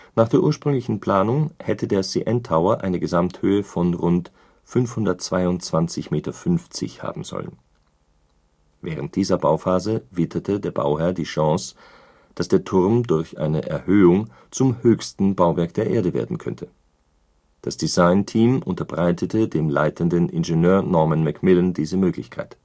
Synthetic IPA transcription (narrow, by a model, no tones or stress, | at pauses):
naːχd̥eːɐʔuːɐʃpʁ̥ʏŋlɪçn̩pl̥aːnʊŋhɛtədeːɐsḭʔɛntʰaʊɐʔa̰ɪnəɡəzamthøːəfɔnʁʊnt | fʏnfhʊndɐtt͡sv̥aɪʊnt͡sv̥ant͡sɪçmeːtɐfʏnft͡sɪ̰çha̰ːbm̩zɔ̰lə̰n | vɛ̰ːʁ̞ənt̚d̥iːzɐbaʊfaːzəvɪtʰɐtʰədeːɐba̰ʊhɛɐdiːʃɑ̃s | d̥asd̥eːɐtʰʊʁmdʊɐçʔa̰ɪnəʔɛɐhøːʊŋ | t͡sʊmhøːçstn̩baʊvɛɐk̚d̥eːɐʔeːɐdəvḛːɐdn̩kʰœ̰ntʰə | d̥asd̥izaɪntʰiːmʔʊntɐbʁaɪtʰətʰədeːmla̰ɪtʰəndənʔɪ̰nʒenøːɐnɔɐmənmɛkmɪləndiːzəmøːklɪçkʰaɪt